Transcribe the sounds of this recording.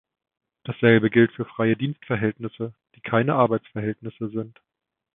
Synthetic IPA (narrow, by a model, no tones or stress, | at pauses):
d̥asz̥ɛlbəɡɪltfyːɐfʁ̥aɪədiːnstfɛɐɦɛltnɪsəd̥iːkʰaɪnəʔaɐbaɪt͡sfɛɐɦɛltnɪsəzɪnt